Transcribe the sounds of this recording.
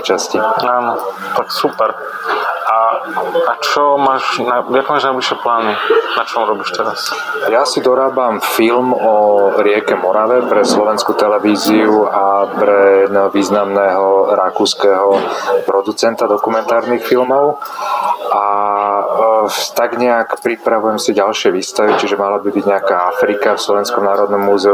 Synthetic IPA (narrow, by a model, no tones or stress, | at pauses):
t͡ʃasciaːnɔ | t̪aksupɛɾ | aat͡ʃɔmaːʃnaakːmaːʒnajbliʃɪɛplaːninat͡ʃɔamɾɔbiːʃt̪ɛɾasjasid̪ɔɾaːbamfilmɔɾɪɛkɛmɔɾaʋɛpɾɛslɔʋɛnskut̪ɛlɛʋiːziuapɾɛjɛd̪nɛɦɔʋiːznamnɛːɦɔɾakuːskɛɦɔpɾɔd̪ut͡sɛnt̪ad̪ɔkumɛnt̪aːɾnixfilmɔʊ | ʔa | t̪aɡɲɛakpɾipɾaʋujɛmsiɟalʃɪɛʋiːst̪aʋit͡ʃiʒɛmalabibiɟɲɛakaːafɾikafslɔʋɛnskɔmnaːɾɔd̪nɔmːuzɛu